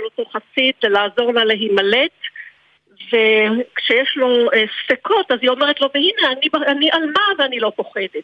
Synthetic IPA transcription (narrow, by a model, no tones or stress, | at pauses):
lotoχasit̪lelaːzo̞ʁlaleɦimale̞t | ve̞kʃejeʃlo̞estekʰo̞tazio̞me̞ʁetlo̞vehineanibaniʔalmaveanilo̞po̞χe̞det̚